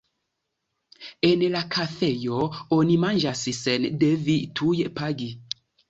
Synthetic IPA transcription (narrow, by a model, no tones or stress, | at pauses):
ɛnɛlakʰaθɛjɔonimand͡ʒasisɛndɛvitʰujɛʔpaɡi